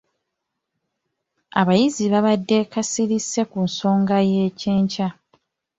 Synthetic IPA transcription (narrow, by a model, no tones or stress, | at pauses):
aβajiziβaβadːe̞kasiɾise̞kunso̞ːŋɡaje̞ːce̞ːɲca